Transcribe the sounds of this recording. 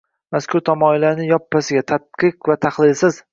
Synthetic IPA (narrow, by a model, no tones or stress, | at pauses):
maskʲʰʊɾt̪ʰɒmɒɪlanɪjɒpːasɪɡʲat̪ʰat̪̚qɨqvat̪ʰaχlˠɪlsɪz̥